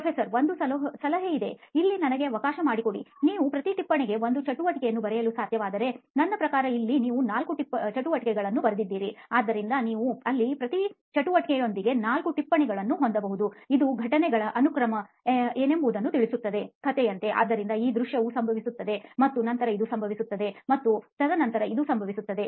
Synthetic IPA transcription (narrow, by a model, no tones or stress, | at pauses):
ɐfʰeːsɐɾʋo̞nd̪usɐlɐɦɐsɐlɐɦeid̪e̞ilːinɐnɐɡe̞ɐʋɐkaːʃɐmaːɽiko̞ɽḭniːʋupɾɐt̪iʈipːɐɳɛɡe̞ʋo̞nd̪ut͡ʃɐʈuʋɐʈikɛjɐnːubɐɾɛjɐlusaːd̪ʱjɐʋaːd̪ɐɾe̞nɐnːɐpɾɐkaːɾɐilːiniːʋunaːlkuʈipːɐt͡ʃɐʈuʋɐʈikɛɡɐɭɐnːubɐɾɐd̪id̪ːiːɾiaːd̪ːɐɾind̪ɐniːʋuɐlːipɾɐt̪i | t͡ʃɐʈuʋɐʈikejond̪iɡe̞naːlkuʈipːɐɳɛɡɐɭɐnːuɦond̪ɐbɐɦud̪uid̪uɡʱɐʈɐnɛɡɐɭɐʔɐnukɾɐmɐ | eːne̞mbɐd̪ɐnːut̪iɭisut̪ːɐd̪e̞kʰɐt̪ɛjɐnt̪e̞ʔa̰ːd̪ːɐɾind̪ɐiːd̪ɾuʂjɐʋusɐmbʱɐʋisut̪ːɐd̪e̞mɐt̪ːunɐnt̪ɐɾɐid̪usɐmbʱɐʋisut̪ːɐd̪e̞mɐt̪ːut̪ɐd̪ɐnɐnt̪ɐɾɐid̪usɐmbʱɐʋisut̪ːɐd̪e̞